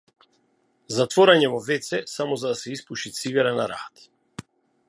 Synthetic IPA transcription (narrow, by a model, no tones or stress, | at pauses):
zat̪vɔɾaɲɛvɔvɛt̪sɛsamɔzad̪asɛispuʃit̪siɡɛɾanaɾa̰t̪